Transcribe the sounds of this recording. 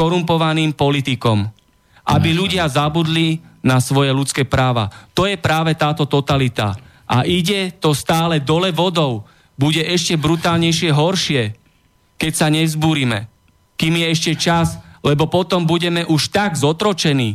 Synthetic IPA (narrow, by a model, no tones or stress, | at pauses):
ɔɾumpɔʋaniːmpɔlit̪ikɔm | ʔa̰biʎuɟɪazabud̪linasʋɔjɛʎut͡skɛːpɾaːʋa̰t̪ɔjɛpɾaːʋɛt̪aːt̪ɔt̪ɔt̪alit̪a̰ | ʔa̰ʔiɟɛt̪ɔst̪aːlɛd̪ɔlɛʋɔd̪ɔʊ | buɟɛʔɛʃcɛbɾut̪aːlɲɛjʃɪɛɦɔɾʃɪɛ | kɛcsaɲɛzbuːɾimɛ̰ | kiːmjɛɛʃcɛt͡ʃazlɛbɔpɔt̪ɔmbuɟɛmɛʔuʃt̪aɡzɔt̪ɾɔt͡ʃɛniː